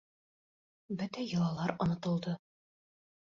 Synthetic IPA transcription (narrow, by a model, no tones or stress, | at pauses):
bɘt̪æjɤ̆lˠɑlˠɑɾɒ̆nɤ̆t̪ɤ̆lˠd̪ɤ